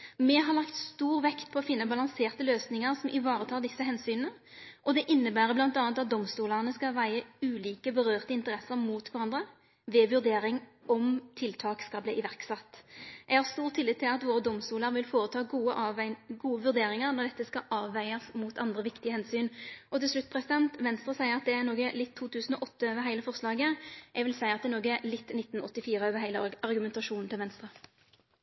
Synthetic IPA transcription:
mɛɦɑʁɭɑkt̪st̪uːʁʋɛkt̪pʰɔːfɪnːəbɑlɑŋseːʁt̪əløːsnɪŋəʁsɔmʔɪʋɑːʁət̪ʰɑːd̪ɪsːəɦɛnsyːnənə | ʔɔd̪ɛʔɪnːəbæːɾəblɑnt̪ɑːɑt̪ɑt̪̚d̪ɔmst̪uːləʁnəskɑʋæɪəʉːliːkəbəʁøːʁt̪əɪnt̪əʁɛsːəʁmuːt̪kʰɑɾɑnd̪ʁə | ʋɛːʋʉʁd̪eːɾɪŋɔmt̪ʰɪlt̪ʰɑːkskɑlbliːʔɪʋæʁksɑt̪ːʔɛɡhɑːʁst̪uːʁt̪ʰːɪlɪt̪ːɪlɑt̪ʋoːʁəd̪ɔmst̪uːləɾʋɪlfoːʁət̪ʰɑːɡuːəɡuːəʋʉʁd̪eːɾɪŋəʁnɔʁd̪ɛt̪ːəskɑʔɑːʋæɪəsmut̪ʰɑnd̪ʁəʋɪkt̪ɪəhɛnsyːnʔɔt̪ɪlslʉt̪ːpʰʁɛsɪd̪ɛnt̪ʋɛnst̪ʁəsæɪəʁɑt̪̚d̪ɛæʁnoːɡəlɪt̪ʰːuːt̪ʰʉːsn̩ɔʔɔt̪ːəøːʋəɾɦæɪləfɔʁslɑːɡəʔɛɡʋɪlsæɪəɑt̪d̪ɛnoːɡəɛlɪt̪ːnɪt̪ːnɔt̪ːɪfiːɾəøːʋəɾɦæɪləɑʁɡʉmɛnt̪ɑʂuːnn̩t̪ɪlʋɛnst̪ʁə

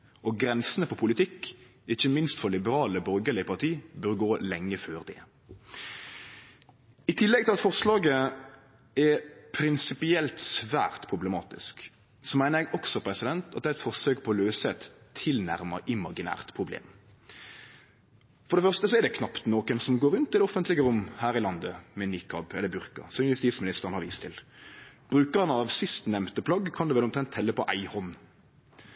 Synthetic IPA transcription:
ʔɔɡɾɛnsənəfɔpʰʊlɪt̪ʰɪkːɪçːəmɪnst̪fɔlɪbəɾɑːləbœɾɡəlɪpʰɑʁt̪ʰiːbœɾɡoːlɛŋːəføːʁd̪ɛ̰ | ɪt̪ʰɪlːɛɡ̚t̪ɪlɑt̪fɔʁslɑːɡə | ɛɾpʰɾɪnsɪpɪɛlt̪sʋæ̰ːʁt̪pʰɾʊbləmɑ̰ːt̪ɪ̰sk | sɔmæɪnəɾjɛɡɔksɔpʰɾɛsɪd̪ɛnt̪ɑt̪̚d̪ɛæɪt̪fɔʁsøːk̚pʰɔɔːløːsəɛt̪ʰːɪlnæ̰ʁməʔɪmɑɡɪnæ̰ːʁt̪pʰʁʊblḛːm | fɔɾɖ̪ɛfœʁst̪əsɔɛɾd̪ɛkʰnɑpt̪noːkənsɔmɡoːɾʉnt̪ɪd̪ɛɔfənt̪lɪɡəɾʊmːhæːɾɪlɑnd̪əmɛnikʰɑbɛlːəɾbʉʁkə̰ɾsɔmjʉst̪iːt̪smɪnɪst̪əʁənhɑɾʋḭːst̪ʰɪlb̥ʁʉːkəʁənəɑʋsɪst̪nɛmt̪əpʰlɑɡkʰɑnd̪ʉːʋɛlɔmt̪ʰɾɛnt̪hɛlːəpɔʔæɪhɔn

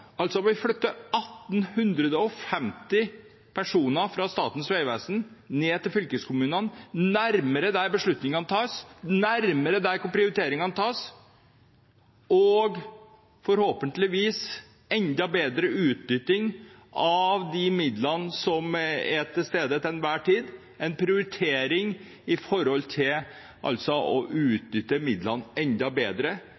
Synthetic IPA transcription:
ɑlt̪sɔʋɪflœt̪ːəɑt̪ːnhʉnd̪ɾəd̪əɔfɛmt̪ɪ | pʰæʂuːnəɾfɾɑst̪ɑ̰ːt̪n̩sʋeɪʋæsn̩neːt̪ʰɪlfʏlkəskʰʊmʉːnənnæɾməɾəd̪æɾbəʂɭʉt̪nɪŋɑnət̪ʰɑːsnæɾməɾəd̪æɾkʊpʰɾɪʊɾɪt̪ʰeːɾɪŋɑnt̪ʰɑːs | ɔɡ | fɔɾhoːpənt̪lɪʋiːs | ɛnd̪ɑbeːd̪ɾəʉːt̪̚nʏt̪ɪŋʔɑʋd̪ɪmɪd̪lɑnsɔmɛt̪ʰːɪlst̪eːd̪ət̪ɛnʋæːʈiːd̪ | ɛnpʰɾɪʊɾɪt̪ʰeːɾɪŋ | ɪfɔɾɔlt̪ʰɪl | ʔɑ̰lt̪sɔɔʔʉːt̪̚nʏt̪ːəmɪd̪lɑnɛnd̪ɑbeːd̪ɾə

